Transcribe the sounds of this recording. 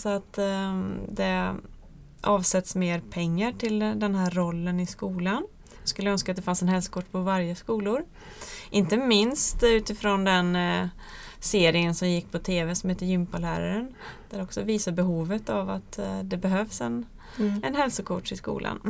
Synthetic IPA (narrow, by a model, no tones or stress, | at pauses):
sɔat̪ | d̪ɛ | ʔɑːvsɛt̪smeːɾpʰɛŋːaʈʰɪld̪ɛnɦæːɾːɔlːənɪskuːlan | jɑɡskɵlːəœnskat̪d̪ɛfansɛnhɛlsʊ̥kʰʊʈːpʰɔvaɾjəskuːlʊɾ | ʔɪnt̪əmɪnst̪ʉ̟ːt̪ɪfɾɔnd̪ɛn | seːɾɪŋənsɔmjɪkːpʰɔt̪ʰeːvɛsɔmheːt̪ːəɾjʏmpalæːɾa̰ɾənd̪̥æɾɛɔksɔviːsaɾbɛɦuːvət̪ava̰t̪d̪ɛbɛɦœvsɛn | ɛnɦɛlsʊkʰʊʂɪskṵːlʔa̰n